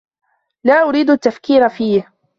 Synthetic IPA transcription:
laːʔʊɾiːd̪ʔt̪ːafkiːɾafiːh

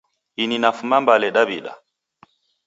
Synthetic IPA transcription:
ininafumambalɛɗabiɗa̰

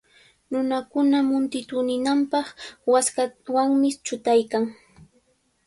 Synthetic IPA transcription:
nʊnakʊnamʊnt̪ɪt̪ʊnɪnampɑχwaskawaŋmɪt͡ʃʊt̪ajkaŋ

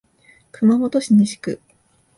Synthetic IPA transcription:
kɯmamo̞t̪o̞ɕiɲiɕi̥kɯ̰

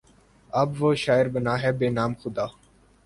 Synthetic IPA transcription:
əbʋoːʃaːɪɾbənaːɦɛːbeːnaːmxʊd̪aː

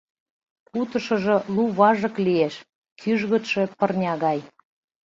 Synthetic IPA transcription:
kut̪ɤ̆ʃɤ̆ʒɤ̆luβɑʒɤ̆klijeʃ | kʰyʒɣə̆t̪ʃepərnʲɑɣɑj

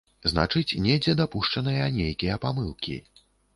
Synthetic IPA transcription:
zna̰t͡ʂɨt͡sʲnʲɛd͡zʲɛd̪apuʂt͡ʂɐnɨjɐnʲejkʲijɐpamɨlˠkʲḭ

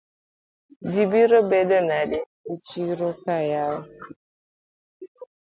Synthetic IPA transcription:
dibiɾobedɔnadɪ | it͡ʃiɾokajaɾʊ

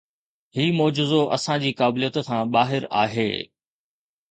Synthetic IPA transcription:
hiːmɔːd͡ʑɪzoʔɐsãd͡ʑiːkaːblijət̪kãːɓaːɦɪɾa̰ːɦḛː

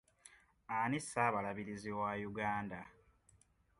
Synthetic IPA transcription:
anisːaːβalaβiɾiziwajuɡaːnda

